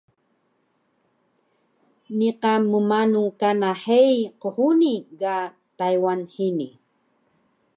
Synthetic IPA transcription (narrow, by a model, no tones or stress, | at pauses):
niqamumanukanaħejqəhuniɡa | tajwanħini